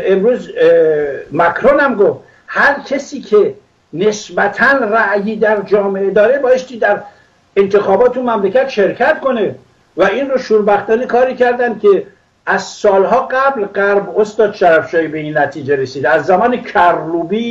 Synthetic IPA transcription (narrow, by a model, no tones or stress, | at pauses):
emɾuːz | mækʰɾonæmɡoft̪ | hæɾkʲʰesiːkʰe | ne̞sbæt̪ʰænræʔjiːd̪æɾd͡ʒɒːme̞ʔed̪ɒːɾe̞bɒːjest̪iːd̪æɾ | ent̪ʰe̞xɒːbɒːt̪ʰumæmlekʰæt̪ʃe̞ɾkʰæt̪ko̞ne̞ | væinroʃuːɾbæxt̪ɒːnikʰɒːɾiːcʰæɾd̪ænd̪̚kʲʰe | æzsɒːlɦɒːɡæblɢæɾbost̪ɒːd̪ʃæɾæfʃɒːjibe̞inːæt̪ʰiːd͡ʒe̞ɾesiːd̪æzːæmɒːnekʰæɾluːbiː